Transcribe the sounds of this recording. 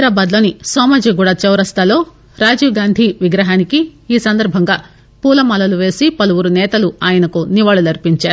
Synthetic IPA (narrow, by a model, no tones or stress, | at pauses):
ɾaːbaːd̪lo̞ːnisɔːmad͡ʒiɡuːɽat͡ʃɛwɾɐst̪ʰɐlo̞ː | ɾaːd͡ʒuːɡaːnd̪ʱiʋiɡɾɐɦaːnikiːsɐnd̪ɐɾbʱɐŋɡaː | puːlɐmɐlɐluʋe̞ːsipɐluʋuɾunɛːt̪ɐluaːjɐnɐkuniʋaːɭulɐɾipiɲt͡ʃaːɾu